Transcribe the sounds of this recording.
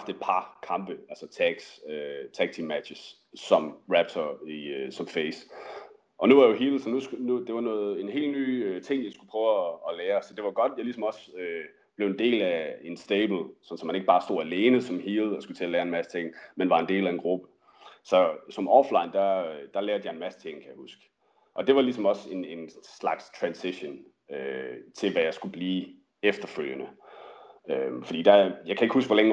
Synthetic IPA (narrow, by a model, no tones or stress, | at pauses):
ɑfd̥e̝d̥̚pʰɑ̈kʰɑ̈mb̥əælsət͡sʰæɡ̥søt͡sʰæɡ̥̚t͡sʰimæd̥ɕəs | sɒ̽mʁæb̥̚t͡sʰɐiøsɒ̽mfeɪs | ʔɒ̽nuʋɑjoɦiːl̩sɒnusnud̥e̝ʋɑ̈nɔ̽ːð̩ˠe̝ne̝̰ːldny̰ːøt͡sʰe̝ŋ̰jɑ̈ɪsɡ̥u̥pʰʁœːʊːleːɐsɒ̽d̥e̝ʋɑɡ̥ɒ̽d̥jɑ̈ɪlisɒ̽mɒ̽sø | b̥le̝ʊe̝nd̥e̝̰ːlæe̝nsd̥eːb̥l̩sɒ̽n̩sɒ̽mhæneɡ̥̚bɑ̈ːsd̥o̝̰ːæle̝ːnəsɒ̽mhiːð̞̩ˠɒ̽sɡ̥ut͡sʰe̝æleːɐenmæst͡sʰe̝ŋ̰menʋɑ̈e̝nde̝̰ːlæenɡ̥ʁub̥ə | sɒ̽sɒ̽mʔɒːflɑ̈ɪ̰nd̥ɑd̥ɑ̈leːɐd̥jɑ̈e̝nmæst͡sʰe̝ŋ̰nkʰæjɑ̈husɡ̥ | ʔɒ̽d̥e̝ʋɑ̈lisɒ̽mɒ̽se̝ne̝nslɑ̈ɡ̥st͡sʰʁænsiɕon | øt͡sʰe̝lʋæjɑ̈ɪsɡ̥ub̥liː | efd̥ɐføl̰jənə | øfɒ̽d̥ḭːd̥ɑjɑ̈ɪkʰæe̝ɡ̥husɡ̥ʋɒ̽leŋ